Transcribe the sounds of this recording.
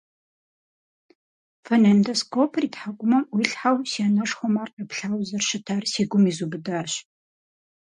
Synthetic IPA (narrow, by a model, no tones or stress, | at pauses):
fɐnɐndɐskʰopʰriːtħaɡʷʊmɐmwiɬħawsianɐʂxʷɔmaːrqɐpɬaːwzɐrʃɪtʰaːrsiːɡʷʊmiːzubɨdaːɕ